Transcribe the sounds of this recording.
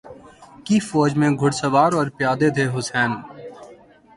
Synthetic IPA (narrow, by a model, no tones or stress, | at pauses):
kifɔːd͡ʒmẽɡʱʊɽsəʋaːɾɔːɾpjaːd̪ed̪ʰʱeɦʊsɛːn